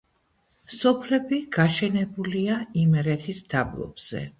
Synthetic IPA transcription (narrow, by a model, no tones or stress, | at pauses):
sɔpʰlɛbiɡ̥aʃɛnɛbuliaimɛɾɛt̪ʰisd̪̥ablˠɔ̰b̥z̥ɛ̰